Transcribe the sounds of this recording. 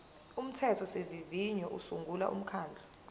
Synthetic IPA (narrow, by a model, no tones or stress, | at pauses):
um̩tʰɛtʰɔseviviɲɔʔusuŋɡʱula̰ʔṵm̩kʰaːnd͡ɮʱɔ